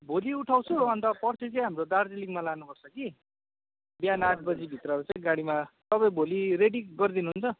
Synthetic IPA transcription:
bʱoliuʈʰaw̃t͡sʰuʌnt̪ʌpʌrt͡sʰit͡sʌj̃ɦamrod̪ard͡ziliŋmalanupʌrt͡sʰʌki | bjanaʈ̚ʰbʌd͡zibʱit̪rʌt͡saĩɡaɽ̃imat̪ʌbʌj̃bʱoliɾeɽiɡʌrd̪inuɦunt͡sʰʌ

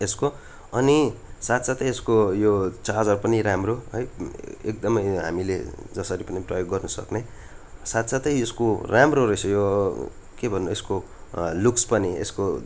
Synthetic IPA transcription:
esko | ʌnisat̪sat̪ʌeskojot͡sad͡zʌɾupʌniɾamroɦʌjek̚d̪ʌmʌjɦa̰milḛd͡zʌsʌɾipʌniprʌjoɡːʌrnʌsʌ̰kne | sat̪sat̪ʌjeskoramroɾʌsʰʌjo | kebʱʌnuesko | lukspʌniḛsko

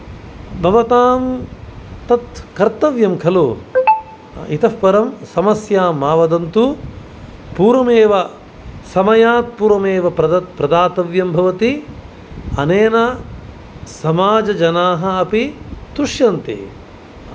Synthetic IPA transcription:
bʱɐʋɐt̪aːm | t̪ɐt̪kɐɾt̪ɐʋjɐmkʰɐlu | it̪ɐfpɐɾɐmsɐmɐsjaːmaːʋɐd̪ɐnt̪u | puːɾɐmeːʋɐ | sɐmɐjaːt̪̚puːɾɐmeːʋɐpɐɐpɾɐd̪aːt̪ɐʋjɐmbʱɐʋɐt̪i | ɐ̰neːna | sɐmaːd͡ʒɐd͡ʒɐnaːɦɐɐpit̪uʂjɐnt̪ḭ

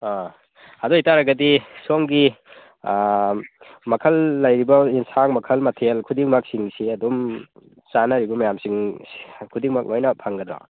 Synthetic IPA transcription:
a | ɐdɔitaɾɐɡɐdisoŋɡi | mɐkʰɐlːɐjɾibɐinsaŋmɐkʰɐlmɐtʰelkʰudiŋmak̚siŋsiɐdum | sanɐɾibɐmɐjamsiŋskʰudiŋmak̚ʔojnɐpʰaŋɡɐd̪ɾɔ̰

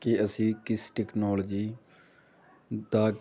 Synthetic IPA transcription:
keəsĩːkɪsʈɛːknɔːləd͡ʒiː | d̪aː

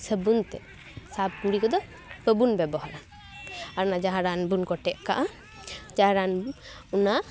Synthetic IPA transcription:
səbunt̪ɛ̰ | sab̚uɾikɔd̪ɔ | bəbunbɛbɔɦɔɾan | aɾnad͡ʒaɦaɾanbunkɔʈɛʔkaʔa | d͡ʒaɦaɾan | una

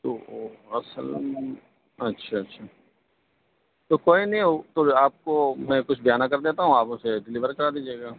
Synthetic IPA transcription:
ooɐsəl | ɐtːʃʰaɐtːʃʰaː | t̪okoːinɐɦĩot̪oaːp̚komɛ̃kʊt͡ʃʰbɪjaːnakɐɾd̪eːt̪aɦũaːpõseɖɪliːʋəɾkɐɾaːd̪iːd͡ʒieːɡaː

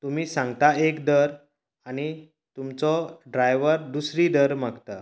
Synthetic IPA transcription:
t̪umiːsãŋɡt̪aekd̪əɾ | añi | t̪umt͡sɔɖɾajʋəɾd̪usɾiːd̪əɾmaɡt̪a

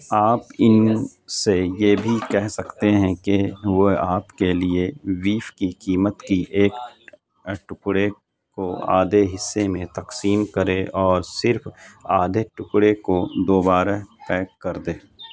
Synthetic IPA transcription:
aːpɪn | sejeːbʱikɛɦsɐkt̪eɦɛ̃keʋoaːpkelieʋiːfkikiːmət̪kiʔeːk̚ | ʈʊkɽe | koa̰ːd̪ʱeɦɪsːemẽt̪ɐqsiːmkɐɾeɔːɾsɪɾfaːd̪ʱeʈʊkɽekod̪oːbaːɾt̪ɛːkkːɐɾd̪eː

